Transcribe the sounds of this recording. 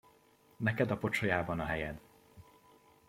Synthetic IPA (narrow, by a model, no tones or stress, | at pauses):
nɛkɛd̪ɒpo̞t͡ʃojaːbɒnɒɦɛjɛd̪